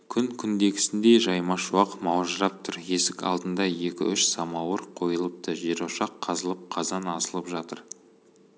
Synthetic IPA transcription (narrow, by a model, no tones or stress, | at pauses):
kʲʰʏŋkʲʰʏnd̪e̞ɡʲɪ̥sɪnd̪e̞ʒɑjmɑʃuɑqmɑwʒəɾɑp̚t̪ʰʊɾe̞sɪkʲɑ̰lˠd̪ənd̪ɑje̞kʲɪ̰ʏʃsɑmɑwəɾqʰo̞jəlˠəp̚t̪əʒe̞ɾoʃɑqʰːɑzəlˠəp̚qʰɑzɑnɑsəlˠəpʒɑt̪əɾ